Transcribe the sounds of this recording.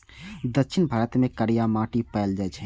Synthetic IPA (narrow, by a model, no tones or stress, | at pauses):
d̪ətːʃʰɪnbʱaːɾət̪mẽkəɾijamaːʈipɛɪld͡ʒaːt͡ʃʰɛ